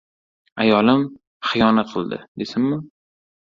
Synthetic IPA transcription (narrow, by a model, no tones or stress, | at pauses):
ajɒlɪm | χɨjɒnat̪̚qʰɨlˠd̪ɪ̰d̪esɪmmɪ